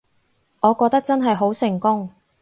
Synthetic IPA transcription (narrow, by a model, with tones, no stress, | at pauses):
ʔɔː˨˧kɔː˧k̚t̪ɐ˥k̚t͡sɐ˥nɦɐ˨jɦo˨˥wsɪ˨˩ŋkʊ˥ŋ